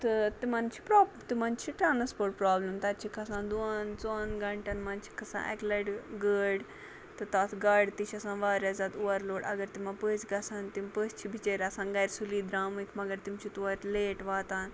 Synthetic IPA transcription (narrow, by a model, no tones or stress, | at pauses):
t̪ɨt̪imant͡ʃʰi̥pɾaːt̪imant͡ʃʰiʈɾaːnɐspoːʈpɾaːblɐmt̪ɐt̪t͡ʃʰikʰɐsãːnd̪unt͡soːnɡɐɳʈɐnmant͡ʃʰi̥kʰɐsã̰ːʔɛ̰klɐɖɡəːɽ | t̪ɨt̪aːt̪ʰɡɐɖt̪it͡ʃʰɐsãːnʋaːɾʲad͡zat̪uʋɐɾloːɽɐ̰ɡɐɾt̪imapəːt͡sɡɐsaːnt̪impəːst͡ʃʰibʱit͡ʃeːɾɐsãːnɡɐjɾsuliːd̪ɾaːmikʰmɐɡɐɾt̪imt͡ʃʰit̪uʋɐɾleːʈʋaːt̪aːn